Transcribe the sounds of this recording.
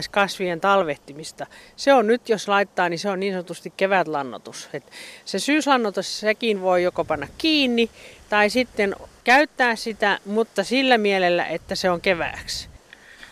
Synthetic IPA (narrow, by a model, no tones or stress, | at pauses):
skɑsʋient̪ɑlʋeht̪imist̪ɑseonnyt̪joslɑit̪ːɑːniseonniːnsɑnŏt̪ust̪ikkeʋæt̪lɑnːo̰t̪uset̪sesyːslɑnːot̪ussekinʋoijokopɑnːɑkkiːnːit̪ɑisit̪ːenkæyt̪ːæːssit̪æmut̪ːɑsilːæmielelːæ̰ʔet̪ːæseoŋkeʋæ̰ˑːks